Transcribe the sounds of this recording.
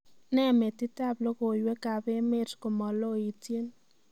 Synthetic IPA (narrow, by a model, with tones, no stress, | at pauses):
nɛ˦me˨ti˦ta˦blo˦ko˨jwe˦ka˨be˦me˦t͡ʃko˨mɔ˨lo˦i˨tje˦n